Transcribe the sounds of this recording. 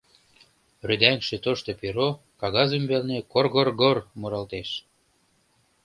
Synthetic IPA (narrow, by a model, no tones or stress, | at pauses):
ryd̪æŋʃĕt̪oʃt̪epiɾo | kɑɣɑzəmbelnekorɣorɣormuɾɑlt̪eʃ